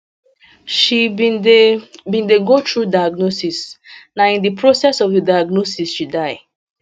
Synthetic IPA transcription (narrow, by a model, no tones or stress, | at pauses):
ʃi | bĩndeɡotɹudaɪaɡ̚nosisnaĩndipʰɹosɛsɔvidajaɡnosisʃidaɪ